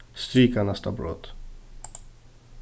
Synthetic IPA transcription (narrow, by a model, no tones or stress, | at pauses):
st̪ɾiːkanast̪a̰bɾo̰t̪